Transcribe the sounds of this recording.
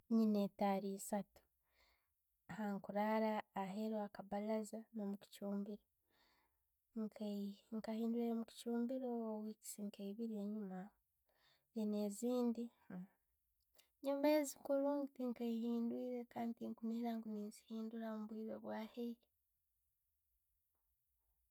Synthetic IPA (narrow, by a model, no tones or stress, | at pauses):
ɲinetaːɾisatu̥ | haŋkuɾaːɾaːɦeɾoakaβalazanomuci̥cuːmbiɾo | ŋkʰaŋkahiːnduiɾemuci̥cuːmbiɾoːwiki̥siŋkeiβiɾeɲuma | eneziːndi | ɲumeːzikuɾuŋitiŋkaihiːndwiːɾekaːntiŋkuniɾaŋkuniːzihiːnduɾamuβwiːɾeβwaːhe